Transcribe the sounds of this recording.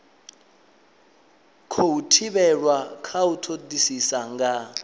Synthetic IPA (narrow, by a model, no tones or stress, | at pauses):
kʰoutʰibɛɺwakʰautʰodisisaŋɡa